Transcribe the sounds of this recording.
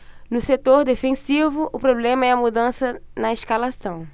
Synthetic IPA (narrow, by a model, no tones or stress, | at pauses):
nʊset̪oɾd̪efẽsivʊʔʊpɾoblẽmɐɛɐmud̪ɐ̃sɐnɐeʃkalasɐ̃w̃